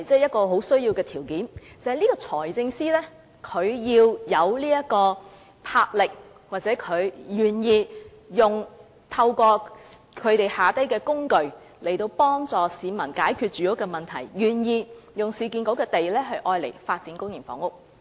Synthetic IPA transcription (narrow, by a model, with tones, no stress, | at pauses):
t͡sɛː˥jɐ˥t̚kɔː˧ɦo˨˥wsɵ˥ɥji˧wkɛː˧t̪ʰiː˨˩wkiː˨˥nt͡sɐ˨hɐ˨jliː˥kɔː˧t͡sʰɔː˨˩jt͡sɪ˧ŋsiː˥lɛː˥ | kʰɵ˨˧ɥjiː˧wjɐ˨˧wliː˥jɐ˥tkɔː˧ | pʰaː˧k̚lɪ˨k̚ | waː˨˩t͡sɛː˨˥kʰɵ˨˧ɥjyː˨˩njiː˧ | jʊ˨ŋ | t̪ʰɐ˧wkɔː˧kʰɵ˨˧ɥt̪e˨jhaː˨t̪ɐ˥jkɛː˧kʊ˥ŋkɵ˨ɥ | le˨˩jt̪o˧wpɔː˥ŋt͡sɔː˨˩siː˨˧mɐ˨˩nkaː˨˥jkʰyː˧t̚t͡ʃyː˨jʊ˥kːɛː˧mɐ˨˩nt̪ʰɐ˨˩jjyː˨˩njiː˧jʊ˨˩ŋsiː˨˧k̬iː˧nko˨˥wkɛː˧t̪e˨jlɛː˥ɦɵ˧ɥʔɔː˧jlḛ˨˩jfaː˧t̚t͡siː˨˥nkʊ˥ŋji˨˩nfɔ̰ː˨˥ŋʊ˥k̚